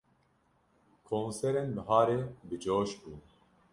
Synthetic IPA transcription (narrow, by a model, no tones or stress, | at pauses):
kʰoːnsɛɾenbɨɦaːɾeːbɨd͡ʒoːʃbuː